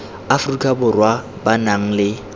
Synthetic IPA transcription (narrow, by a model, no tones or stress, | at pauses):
afrikʼabʊrwa | banaŋ̩lɪ